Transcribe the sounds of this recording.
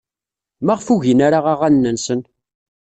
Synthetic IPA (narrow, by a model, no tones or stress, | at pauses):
mæʁfuʝinaɾaʁaʁænːənsən